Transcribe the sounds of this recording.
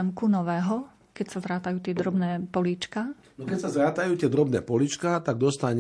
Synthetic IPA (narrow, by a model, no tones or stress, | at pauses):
ɛmkunɔʋɛːɦɔ | kɛcsazɾaːt̪ajuːt̪ɪɛd̪ɾɔbnɛːpɔliːt͡ʃka | nɔkɛcsazɾaːt̪ajuːt̪ɪɛd̪ɾɔbnɛːpɔlit͡ʃkat̪aɡ̚d̪ɔst̪aɲ